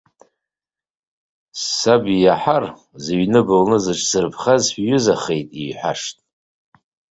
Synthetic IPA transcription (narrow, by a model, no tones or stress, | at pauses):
sabijaħar | ziɥnɨbɨlnɨzɨʈ͡ʂʰsɨrpʰχazɥʏzaχejtʼijħʷa̰ʂtʼ